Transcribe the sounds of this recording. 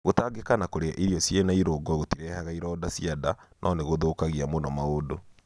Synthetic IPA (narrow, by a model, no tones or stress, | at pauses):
ɣotaɡekanakoɾeaʔiɾiɔsjenaiɾoɡɔɣotiɾɛhaɣaiɾɔdasiadanʔɔneɣoðokaɣiamonɔmaodo